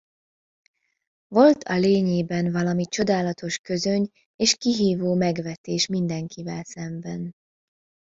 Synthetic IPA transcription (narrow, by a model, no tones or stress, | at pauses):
vo̞lt̪ʰɒleːɲeːbɛnvɒlɒmit͡ʃo̞d̪aːlɒt̪o̞ʃkø̞zø̞ɲ | eːʃkiɦiːvoːmɛɡʋɛt̪eːʃmind̪ɛŋkʰivɛlsɛmbɛn